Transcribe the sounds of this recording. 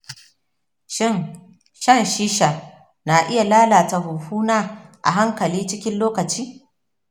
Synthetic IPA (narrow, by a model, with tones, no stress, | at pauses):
ʃɪ˦˨n | ʃɐ˦˨nʃiː˦ʃa˨ | na˨ʔɪ˦ja˨laː˦laː˨ta˨ɦʊ˨ɸuː˦naː˦ʔa̰˨ɦa˦ŋkɐ˨liː˦t͡ʃɪ˦kʲɪ˦nloː˦kɐ˨t͡ʃiː˦